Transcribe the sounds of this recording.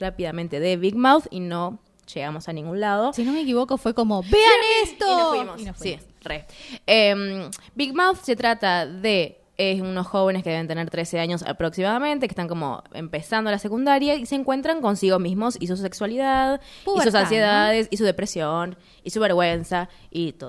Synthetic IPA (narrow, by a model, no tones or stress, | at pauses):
rapiðamẽnt̪e̞ðeβiɣmawθḭno̞ | ʃeɣamo̞sanĩŋɡunlað̞o̞sinomekiβokofwekomobeanest̪oofwimonfsi | reembiɣmawθse̞t̪ɾat̪aðe̞ | euno̞sxo̞β̞e̞neskeee̞nt̪e̞ne̞ɾt̪ɾe̞se̞aɲo̞sa̰pɾo̞ksimaðament̪e̞kest̪aŋko̞mo̰ḛmpe̞sand̪olase̞kund̪aɾjaiseːŋkwe̞nt̪ɾaŋko̞nsiɣo̞zmizmo̞sis̬use̞kswaliðaðisus̬ansjeðaðesisuðe̞pɾesjo̞n | isuβe̞ɾɣwe̞nsait̪oð